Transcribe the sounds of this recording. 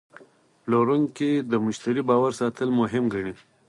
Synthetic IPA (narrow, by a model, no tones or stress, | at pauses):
loɾuŋked̪əmʊʃt̪aɾibɑwaɾsɑt̪əlmʊɦɪmɡaɳi